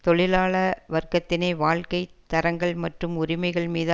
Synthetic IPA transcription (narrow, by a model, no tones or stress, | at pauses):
t̪ɔɻɪlaːɭɐʋɐrkɐt̪ːɪneːʋaːɻkɐɪt̪ːɐɾɐŋɡɐɭmɐʈrɯmʊɾɪmɐɪɣɐɭmiːð